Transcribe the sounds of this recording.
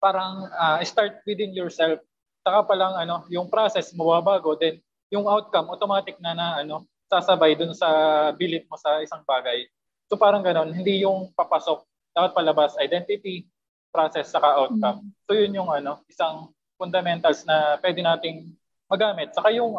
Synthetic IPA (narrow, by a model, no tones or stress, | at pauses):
paːɾɐŋaʔɪst̪aɹt̪̚wid̪ɪnjɔɹsɛlf | sɐkapɐlaŋʔɐno̞jʊŋpɾasɛsmɐbaːbaːɡo̞d̪ɛn | jʊŋʔawt̪̚kɐmʔot̪omaːt̪ɪk̚nɐnɐʔɐno̞ | saːsɐbajd̪ʊnsɐbilɪp̚mosɐʔɪsaŋbaːɡɐj | so̞paːɾɐŋɡɐno̞nhɪnd̪ijʊŋpɐpɐso̞k̚ | d̪aːpɐt̪̚pɐlɐbasɐjd̪ɛnt̪ɪt̪i | pɾaːsɛsːɐkaʔawt̪̚kɐmso̞jʊnjʊŋʔɐno̞ʔɪsaŋ | fʊnd̪ɐmɛnt̪ɐlsnɐpwɛːd̪ɪnaːt̪ɪŋ | mɐɡaːmɪt̪̚sɐkajʊŋ